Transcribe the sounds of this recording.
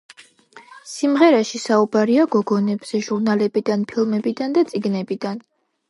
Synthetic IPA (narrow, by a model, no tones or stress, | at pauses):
simʁɛɾaʃisaubaɾiaɡɔɡɔnɛbz̥ɛʒuɾnalɛbid̪anpʰilˠmɛbid̪and̪at̪sʼiɡnɛbid̪an